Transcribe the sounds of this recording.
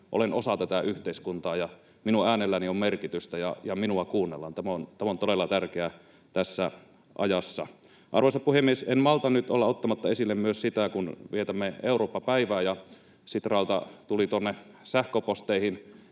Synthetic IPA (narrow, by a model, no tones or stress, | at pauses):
ʔo̰lenosɑt̪æt̪æyht̪eiskunt̪ɑːjɑ | minuæːnelːæniommerkit̪yst̪æjɑ̰jɑminuɑkuːnːḛlːɑnt̪æmæont̪æmont̪odelːˑɑt̪ærkeæ | t̪æsːæ | ʔɑ̰jɑsːɑ̰ | ʔɑ̰rʋoˑsɑpuhemːiesenmɑlt̪ɑnyt̪olːɑot̪ːɑmɑt̪ːɑesilːemmyøssit̪ækunʋiet̪æmːeeuroːpːɑpæiʋæːjɑ | sit̪rɑˑlt̪ɑ̰t̪ulit̪uonːe | sæhkøpost̪eihin